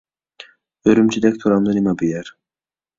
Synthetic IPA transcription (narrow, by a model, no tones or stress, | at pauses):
øɾymt͡ʃʰyd̪ɛc̚t̪ʰoɾamd̪ˠɯɾimabijæɾ